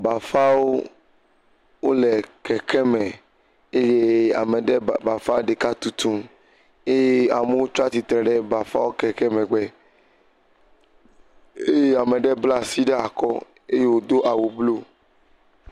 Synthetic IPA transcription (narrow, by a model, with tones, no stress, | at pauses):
ba˨fa˦wo˦ | wo˦lɛ˨kɛ˨kʰɛ˦mɛ̃˨ | e˦je˦a̰˨mɛ˨ɖɛ˦ba˨fa˦wo˦ɖe˨ka˦t̪u˨t̪ũ˦ | e˦je˦a̰˨me˦wo˦t͡ʃo˦a˦t̪i˨t̪ɾɛ˨ɖɛ˦ba˨fa̰˦wo˦kɛ˨kɛ˦mɛ̃˨ɡ͡bɛ˦ | e˦je˦a˨me˨ɖɛ˦bla˦si˦ɖɛ˦a˨kɔ˦ | e˦je˦wo˦d̪o˦ʔa˨wo˨blo˦